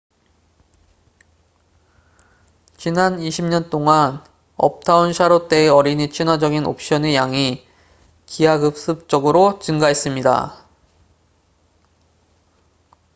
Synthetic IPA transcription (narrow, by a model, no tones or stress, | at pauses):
t͡ɕinaniɕʰimɲʌnt͈oŋan | ʌ̰p̚tʰaunɕʰaɾot͈e̞eʌɾinit͡ɕʰinwad͡ʑʌɡino̰p̚ɕ͈ʌnejaŋi | kiaɡɯp̚s͈ɯp̚t͡ɕ͈ʌɡɯɾot͡ɕɯŋɡaɦe̞s͈ɯmɲida̰